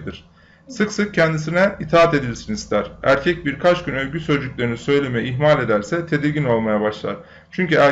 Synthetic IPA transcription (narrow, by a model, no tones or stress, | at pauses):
d̪iɾ̥ | sɯksɯk̚cʰɛnd̪isinɛit̪ʰaːat̪e̞d̪ilsinist̪ʰæɾ̥æɾcʰɛc̚biɾkʰat͡ʃɟynø̞lʲɟysød͡ʒycʲlʲeɾinisø̞jlʲe̞mejiɦmalʲe̞d̪æɾsɛt̪ʰe̞d̪iɾɟino̞lˠmajabaʃlˠa̰ɾ̥ | t͡ʃʰyɲcyæ